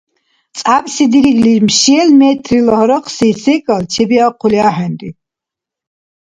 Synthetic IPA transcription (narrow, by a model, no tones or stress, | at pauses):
t͡s̪ʼabsid̪iɾiɡlimʃiɛlmɛt̪ʰɾilɔhɔɾɔqʰsisɛkʼalt͡ʃʰɛbiaqʰuliaɦɛnd̪i